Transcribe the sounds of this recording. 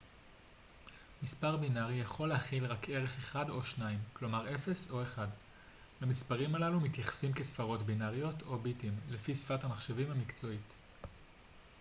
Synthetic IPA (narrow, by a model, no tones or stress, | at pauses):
mispaʁbinaʁijaχo̞lehaχilʁakʰe̞ʁeχe̞χado̞ʃnaimklo̞maʁe̞fe̞so̞e̞χad | hamispaʁimalalumitjaχḁsimkesfaʁo̞tbinaʁijo̞tʰo̞bitimlefisfathamaχʃevimhamikt͡so̞it